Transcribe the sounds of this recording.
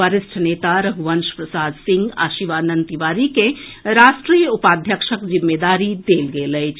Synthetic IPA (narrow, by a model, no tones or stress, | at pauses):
əɾɪsʈʰneːt̪aɾəɦuʋənʃpɾəsaːd̪sĩŋɡa̰ːʃiʋanənt̪iʋaːɾikeɾaːʃʈɾijəupaːd̪ʱjəkʃəkd͡ʒimːed̪aːɾid̪eːlɡelət͡ʃʰ